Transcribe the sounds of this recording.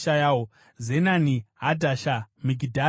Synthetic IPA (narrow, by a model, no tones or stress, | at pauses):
ʃajawo | zenaniɦadʱaʃamiɡʱidʱa